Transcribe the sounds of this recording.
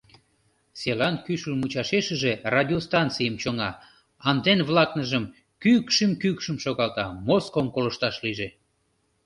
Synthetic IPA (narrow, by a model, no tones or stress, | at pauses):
selɑnkyʃəlmut͡ɕɑʃeʃəʒerɑdʲiost̪ɑnt̪t͡sijəmt͡ɕoŋɑ | ɑnd̪enβlɑknəʒəm | kykʃimkykʃəmʃoɣɑlt̪ɑmoskomkoləʃt̪ɑʃliʒe